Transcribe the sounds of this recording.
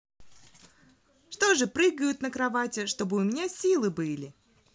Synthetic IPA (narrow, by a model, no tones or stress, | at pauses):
ʂt̪o̞ʐɨpɾɨɡəjʊt̪nəkɾɐvatʲɪʂt̪o̞bɨʊmʲɪnʲasʲilˠɨbɨlʲɪ